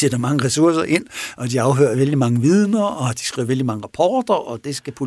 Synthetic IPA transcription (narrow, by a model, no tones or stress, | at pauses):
sed̥ɐmɑ̈ŋəʁɛsuɐsɐʔe̝n̰ʔɒ̽d̥iɑ̈ʊɦø̰ːɐʋel̰d̥imɑ̈ŋəʋið̞ˠnɐɒ̽d̥i̥sɡ̥ʁḭʊ̰ɐʋeld̥imɑ̈ŋəʁɑ̈pʰɒːd̥ɐʔɒ̽d̥e̝sɡ̥æpʰo̝